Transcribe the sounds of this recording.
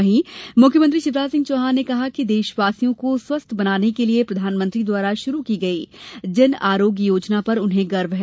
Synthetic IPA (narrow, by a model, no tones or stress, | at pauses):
ɦĩmʊkʰjəmə̃nt̪ɾiʃɪbɾaːsɪ̃ŋɡt͡ʃoːɦaːnekɐɦakid̪eːʃʋaːsijõkoswɐst̪ʰbɐnaːnekeliepɾɐd̪ʱaːnmə̃nt̪ɾid̪waːɾaʃʊɾukiɡɐiːd͡ʒɪnaːɾoːɡjjoːd͡ʒnapɐɾʊnɦẽɡɐɾʋɦɛ